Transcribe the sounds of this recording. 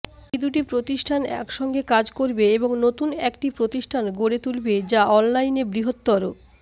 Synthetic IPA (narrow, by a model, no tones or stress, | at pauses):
id̪uʈ̬ipɾot̪iʃʈʰanɛ̰kʃɔŋɡekad͡ʑkoɾbeeboŋnot̪unɛkʈipɾot̪iʃʈʰanɡoɽet̪ulbed͡ʑaʔɔnlajnebɾiɦot̪ːɔɾo